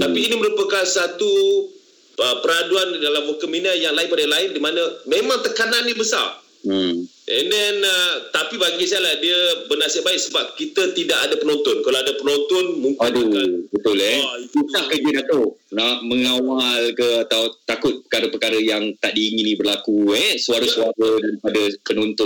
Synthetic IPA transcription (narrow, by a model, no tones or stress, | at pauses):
t̪apiːniməɾupəkansat̪u | əpəɾaduandalamokəminajaŋlaɪnpadalaɪndimanəmemãŋt̪əkanãndəbəsa̰r̩ | ʔɛndɛnət̪apibaɡisaalahdiəbənasəʔbaɪʔ̚səbap̚kit̪ət̪idaʔadapənɔnt̪ʊnkalaadapənɔnt̪ʊnmũŋkadubət̪ʊlɛuahkəd͡ʒədat̪onaʔməŋawalkəat̪awt̪akʊt̪̚pə̥kaɾəpəkaɾəjaŋt̪aʔdiːŋinĩbərlakuɛsuaɾəsuaɾədaɾipadəpənɔnt̪ʊn